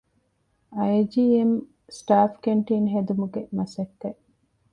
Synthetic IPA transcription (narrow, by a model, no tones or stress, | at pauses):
ɐjd͡ʒiːem | sʈaːfkeɳʈiːnɦed̪umuɡemɐsɐkːeʔ